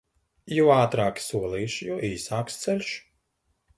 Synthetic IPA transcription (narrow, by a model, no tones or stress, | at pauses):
juaːt̪ɾaːkʲi̥suɔlˠiːʃjuʔiːsaːkst̪sɛlʲʃ